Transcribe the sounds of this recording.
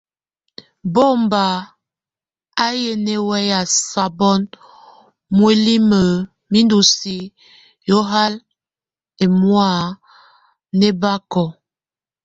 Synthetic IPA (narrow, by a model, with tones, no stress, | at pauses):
bo˦m˨ba˨ | a˦je˦ne˦wɛ˦ja˨sa˨bɔ˦n | mwe˦li˦mə˨ | mi˦ndu˨si˨ | jo˦ɦa˦l | e˨mwa˦˨ | ne˦ba˦kɔ˨